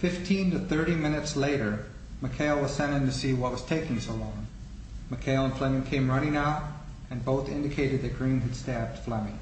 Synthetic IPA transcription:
fɪftʰĩntɨθɜ˞ɾimɪ̃nɨtsleɪɾə˞ | mɨkʰeɪlˠwʌz̥sɛ̃ñɨ̃ntɨsiwʌt̚wʌz̥tʰeɪkɪ̃ŋsoʊlɔ̃ŋ | mɨkʰeɪlˠə̃nflɛ̃mɪ̃ŋkʰẽɪ̃mɹʌñɪ̃ŋaʊɾ | ɨ̃nboʊθɪ̰̃ndɨkʰeɪɾɨd̪̚ðɨt̚ɡ̥ɹĩnɨd̥stæb̚d̥flɛmɪ̃ŋ

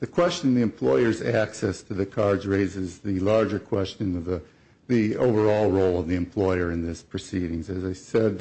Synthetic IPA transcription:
ðɨkʰw̥ɛst͡ʃɨ̃n̩ðiɨ̃mpʰl̥ɔɪə˞zæksɛstʰɨðɨkʰɑɹdzɹeɪzɨzðɨlɑɹd͡ʒə˞kʰw̥ɛst͡ʃɨ̃nʌvðə | ðio̰ʊvə˞ɔlˠɹoʊlˠʌvðiɨ̃mpʰl̥ɔɪə˞ɨ̃nðɪspʰɹ̥ɨsiɾɪ̃ŋzɨzaɪsɛd̪̚

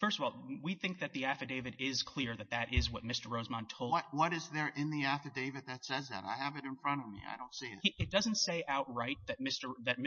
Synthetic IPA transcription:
fɜ˞stʌvɔlˠwiθɪ̃ŋk̚ðɨt̪̚ðiæfɨdeɪvɨɾɪz̥kʰl̥ɪɹðɨt̪̚ðɨɾʔɪzwʌt̚mɪstə˞ɹoʊzmɑ̃ntʰoʊlˠʌwʌɾɨzðə˞ʔɪ̃nðiæfɨdeɪvɨd̪̚ðɨtsɛzðɨ̰ɾa̰ɪɨvɨɾɨ̃nfɹʌ̃ɾ̃ʌvmḭa̰ɪdɾõʊ̃ntsiɨ̰tiʔɨt̚d̥ʌzntseɪʔaʊt̚ɹaɪt̪̚ðɨt̚mɪstə˞ðɨt̚m

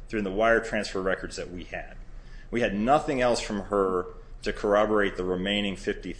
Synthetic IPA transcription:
θɹʉɨ̃nðəwaɪə˞tʰɹ̥æ̃nsfə˞ɹɛkə˞dzðɨt̚wiɨd̥̚wiɨdⁿnʌθɪ̃ŋɛlˠsfɹʌ̃mə˞ | ɾɨkʰə˞ɑbə˞eɪt̪̚ðəɹɪmẽɪ̃ñɪ̃ŋfɪfti

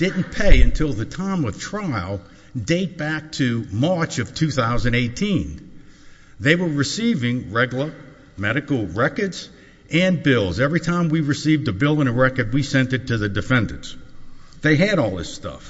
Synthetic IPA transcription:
d̥ɪdⁿn̩pʰeɪɨ̃ntʰɪlˠðɨtʰãɪ̃mʌv̥tʰɹ̥aɪlˠ | deɪt̚b̥æk̚tʰɨmɑɹt͡ʃʌv̥tʰʉθaʊzɨ̃n̩eɪtʰĩn | ðeɪwə˞ɹɨsivɪ̃ŋɹɛɡl̩ˠə | mɛɾɨkl̩ˠɹɛkə˞dz | ɨ̃nbɪlˠzɛvɹitʰãɪ̃mwiɹɨsivdɨbɪlˠə̃nəɹɛkə˞d̚wisɛ̃ntɨtʰɨðɨdɨfɛ̃ndɨ̰̃nsðeɪɨɾɔlˠðɪ̰stʌ̰f

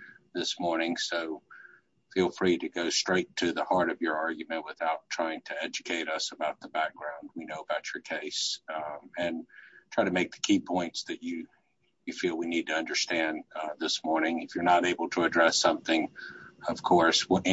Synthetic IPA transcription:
ðɪsmɔɹnɪ̃ŋsoʊ | filˠfɹiɾɨɡoʊstɹ̥eɪtʰɨðəhɑɹɾʌvjə˞ɑɹɡjɨmɨ̃nʔ̚wɨθaʊtʰɹ̥aɪɪ̃ŋtʰɨɛd͡ʒɨkʰeɪɾʌsəbaʊt̪̚ðəbæk̚ɡ̥ɹãʊ̃nd̚winoʊəbaʊt͡ʃə˞kʰeɪs | ɨ̃ntʰɹ̥aɪɾɨmeɪk̚ðɨ̥kʰipʰɔ̃ɪ̃ntsðɨt͡ʃɨ | jɨfilˠwinid̚tʰɨʌ̃ndə˞stæ̃nðɪsmɔɹnɪ̃ŋɨfjə˞nəɾeɪbl̩ˠtʰɨɨdɹɛsʌ̃mθɪ̃ŋʌv̥kʰɔɹsw

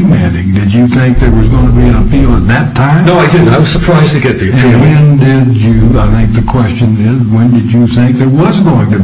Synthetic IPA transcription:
mæ̃nɪ̰̃ŋdɨd͡ʒɨθɪ̃ŋk̚ðə˞wʌzɡõnʰɨbiɨ̃nəpʰil̩ˠət̪̚ðɨtʰãɪ̃mnoʊaɪdɪdaɪwʌz̥sə˞pʰɹ̥aɪztɨɡɛt̪̚ðɨɨ̃nwɨ̃nndɪd͡ʒɨaɪθɪ̃ŋk̚ðɨkʰw̥ɛst͡ʃɨ̃nɪzwɨ̃ndɨd͡ʒɨθɪ̃ŋk̚ðə˞wʌzɡoʊɪ̃ŋtɨ

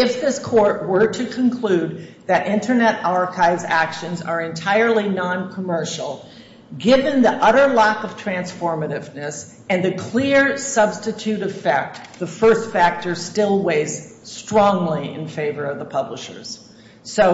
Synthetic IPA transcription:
ɪfðɪskʰɔɹt̚wə˞ɾɨkʰɨ̃nkʰl̥ʉd̪̚ | ðɨɾʔɪ̃ntʰə˞nɛɾɑɹkʰaɪvzækʃɨ̃nzə˞ɨ̃ntʰaɪə˞lˠinɑ̃nkʰəmɜ˞ʃl̩ˠ | ɡɪvɨ̃nðiʔʌɾə˞lɑkʌv̥tʰɹ̥æ̃nsfɔɹmɨɾɪvnɨs | ɨ̃nðɨkʰl̥ɪɹsʌbstɨtʰʉɾɨfɛk̚tðəfɜ˞stfæk̚tə˞stɪlˠweɪz̥stɹ̥ɔ̃ŋliɪ̰̃nfeɪvə˞ʌvðəpʰʌbləʃə̰˞z̥ | soʊ

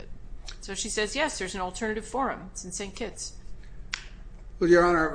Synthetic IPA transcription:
t̚soʊʃisɛzjɛsðə˞z̃n̩l̩ˠtʰɜ˞nɨɾɨv̥fɔɹɨ̰̃msn̩sẽɪ̃nkʰɪts | wɛjə˞ə̃na

